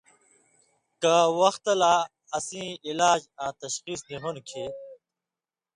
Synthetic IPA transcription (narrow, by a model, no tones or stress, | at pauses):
kawɐxt̪ɐla | ɐsĩːilaːd͡ʑãːt̪ɐɕxiːsniɦunkʰeː